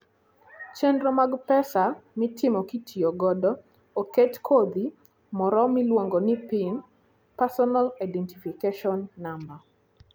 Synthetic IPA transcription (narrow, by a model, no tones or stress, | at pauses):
t͡ʃɛndɾɔmaɡpɛsamɪtɪmɔkitʰioɡɔdɔ | oketkʰod̪i | mɔɾɔmɪlwoŋɡɔnɪpɪn | pasɔnalaɪdɛntifikeʃɔnːamba